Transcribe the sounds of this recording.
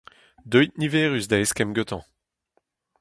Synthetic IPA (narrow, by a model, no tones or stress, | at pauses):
d̪œjt̪̚nivɛːʁysd̪aeskɛmɡøt̪ɑ̃